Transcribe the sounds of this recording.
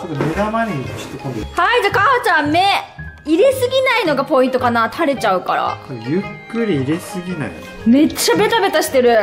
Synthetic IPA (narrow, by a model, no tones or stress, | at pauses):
t͡ʃot̪ːomeɾamaɲʲeoɕi̥t̪ːekõnd̪ehaid͡ʑakahot͡ɕãmme̞iɾe̞sɨɡʲinaino̞ɡapo̞ĩnt̪o̞kanat̪ʰaɾe̞t͡ɕaɯ̟kaɾa̰sojɯkːɯ̟ɾʲiːɾe̞sɨɡʲina̰i | me̞t͡ɕːabe̞t̪abe̞t̪aɕi̥t̪e̞ɾɯ̟